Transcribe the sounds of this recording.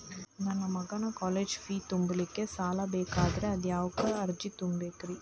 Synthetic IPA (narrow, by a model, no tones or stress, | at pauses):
nɐnːɐmɐɡanɐkɔːleːd͡ʒfiːt̪ʊmbɪlɪkːɯsaːlaːbeːkaːðɪɾɐɐd̪jaːʋɯkːɯɐɾd͡ʒit̪ʊmbeːkːɪɾi